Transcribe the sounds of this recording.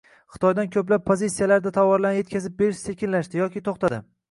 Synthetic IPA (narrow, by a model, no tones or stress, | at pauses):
χɨ̥t̪ʰɒjd̪ankʲʰɵplap̚ʰːozisːijalaɾd̪at̪ʰɒwɒɾlanje̞t̪ʲkʰʲazɪp̚beɾɪʃsʰekʲɪnlaʃd̪ɪjɒkʲɪt̪ʰoχt̪ad̪ɪ̰